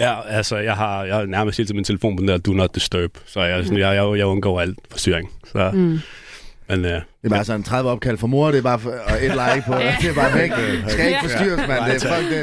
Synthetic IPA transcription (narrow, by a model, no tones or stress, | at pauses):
jæælsəjɑ̈ɪhɑ̈jaɪnæɐməstʰhḛlt͡sʰemint͡sʰe̝ləfo̝̰ːnpʰdend̥̪ɐd̥unɒd̥̚d̥əsd̥øːb̥sɒ̽jasɔnjajaɪjäɪɔnɡ̥ɔ̰ʊæl̰̥fɒsd̥y̰ːɐeŋsɒ | mend̥eb̥ːsɒnnt͡sʰʁaðˠʋəɒ̽b̥̚kʰæl̰fɒmo̝ɐ̰ɾ̥e̝b̥ɑ̈ːfɪd̥laɪpʰɔd̥ebɑ̈ːfeɡsɡ̥æeɡ̥ə̥fɒsdy̰ɐsmend̥fɒl̰ɡ̥̚d̥e